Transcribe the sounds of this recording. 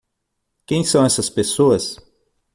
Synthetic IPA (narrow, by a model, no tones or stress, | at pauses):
kẽj̃sɐ̃w̃ɛsɐspesoɐs